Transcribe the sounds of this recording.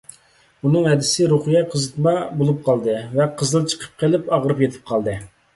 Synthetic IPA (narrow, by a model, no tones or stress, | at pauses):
unɨŋɦɛd̪ɪsɪɾoχijɛqʰəzɨt̪mɑbolˠup̚qʰɑlˠd̪ɨvɛqʰəzɨlˠt͡ʃʰə̥qʰə̥p̚qʰelɪpɑʁɾɨpjet̪ʰɪ̥p̚qʰɑlˠd̪ɨ